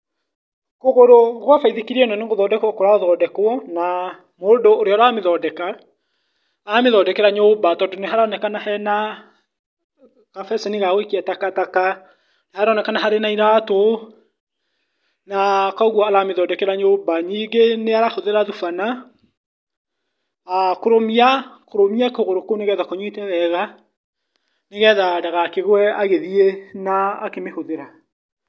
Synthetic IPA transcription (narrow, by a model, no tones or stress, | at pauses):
koɣoɾoɣwafaiðekiɾiɛnɔneɣoðɔdɛkwɔkoɾaoðɔːdɛkwɔna | moːndoːɾeɔɾaaːmeðɔːdɛka | aameðɔdɛkɛɾaɲobatɔːndoneɦaɾaɔnɛkanahɛna | kafɛsaniɣaɣwekiatakataka | nahaɾaɔnɛkanaɦaɾenaiɾato | nakɔɣwɔaɾameðɔːdɛkɛɾaɲobaɲiːɡeneaɾahoðeɾaðufana | akoɾomiakoɾomiakoɣoɾokoneɣɛːðakoɲwetɛðɛɣa | neɣɛːðadaɣakeɣwɛaɣeðienaːkemehoðeɾa